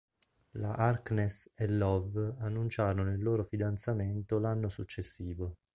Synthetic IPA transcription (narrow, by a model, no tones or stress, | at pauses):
laʔarkneselːɔvanːunt͡ʃaːɾonoilːoːɾofid̪ant̪sament̪olanːosut͡ʃːesːiːvo